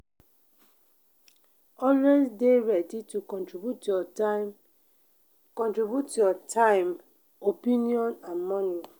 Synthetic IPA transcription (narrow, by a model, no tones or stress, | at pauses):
ɔnɛnsdeɹɛditukɔ̃ntɹibjutjɔm | kɔ̃ntɹibjutjɔtʰãɪm | opĩniɔ̃nãnmɔni